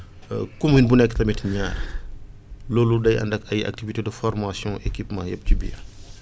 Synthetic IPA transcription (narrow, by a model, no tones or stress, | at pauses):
kuminbunɛkːə̥tɐmitɲaːɾ | lɔːludɐjɐ̰ndɐkɐja̰k̚tivitedəfɔrmasjɔ̃ʔekipmã̰ːjɐp̚cibḭjɐ̰